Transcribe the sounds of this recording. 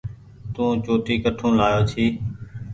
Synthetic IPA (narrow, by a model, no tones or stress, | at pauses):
t̪ũːt͡ʃoːʈiːkəʈʰũːlaːjoːt͡ʃ̪ʰiː